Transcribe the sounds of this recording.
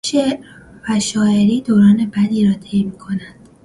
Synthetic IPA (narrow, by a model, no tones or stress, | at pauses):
ʃe | væʃɒːe̞ɾiːd̪oɾɒːne̞bæd̪iːɾɒːt̪ʰejmiːkʰo̞næd̪̥